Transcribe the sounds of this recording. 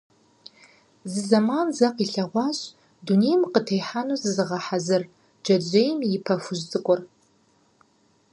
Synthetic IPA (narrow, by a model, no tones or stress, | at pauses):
zɨzɐmaːnzɐqiɬɐʁʷɑːɕʼ | dunejmqətʰejħanuzɨzɨʁɐħazɨr | d͡ʒɐd͡ʒejmjɪpʰɐfʊʒzʼɨkʷʼɔr